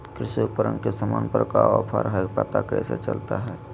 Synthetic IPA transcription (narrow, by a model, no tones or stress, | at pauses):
kɾisipəɾəŋkesəmanpəɾəkaɔɾpʰaɾɦɛpat̪akəjset͡ʃəlt̪aɦɛ